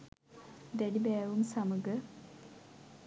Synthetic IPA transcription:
d̪elibeːʋumsɐmɨɡɨ

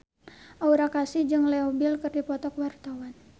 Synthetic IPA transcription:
ʔauɾakasihd͡ʒɨŋlɛɔbilkɨrdipɔt̪ɔkwart̪awan

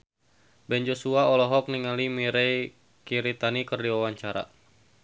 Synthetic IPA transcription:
bɛnd͡ʒosuaɔlɔɦɔk̚niŋalimiɾɛ | kiɾit̪anikərdiwawaɲt͡ʃaɾa̰

